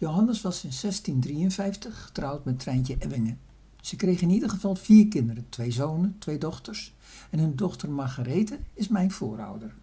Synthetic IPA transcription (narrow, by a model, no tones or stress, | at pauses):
jowɦɑnəsʋɑsɪnsɛstindriənvɛjftəχːə̥trʌwtmɛtrɛjncəʔɛʋɪŋə | z̥əkrejχɪnidəχəvɑlˠviːɹkɪndəɾətʋejzownəntʋejdɔχtəɹs | ɛnɦɵndɔχtərmaχarejtəɪsmɛjnv̥ʊːɾʌ̰wdəɹ